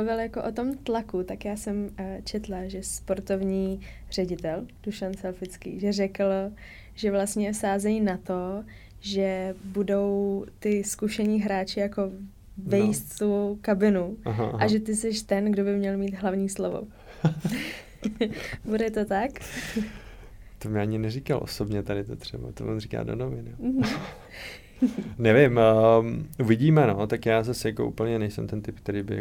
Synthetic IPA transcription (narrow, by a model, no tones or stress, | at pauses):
muvɪljakoʔot̪o̞mt̪lakut̪akjaːsɛmt͡ʃɛt̪laʒɛspo̞ɾt̪o̞vɲiː | r̝̥ɛɟɪt̪ɛld̥uʃansɛlfɪt͡skḭːʒɛrɛkl | ʒɛvlast̪ɲɛfsaːzɛjinat̪o̞ | ʒɛbudo̞wt̪ɪskuʃɛɲiːɦɾaːt͡ʃɪjako̞ | vɛjist̪t̪ukabɪnuaɦaʔaʒɛt̪ɪsɛʃt̪ɛnɡdobɪmɲɛlmiːt̪ɦlavɲiːslovo̰ | budɛt̪ot̪ak | t̪omɲɛaɲɪnɛɾikalʔo̰sobɲɛt̪adɪt̪ot̪r̥ɛba̰t̪omo̰rika̰ːdonovɪn̩ | nɛvɪmː | ʔuvɪɟiːmɛno̞t̪akjaːzasɛjakoʔṵːpl̩ɲɛnɛjsɛ̰mt̪ɛnt̪ɪp̚k̚t̪ɛɾiːbɪ̰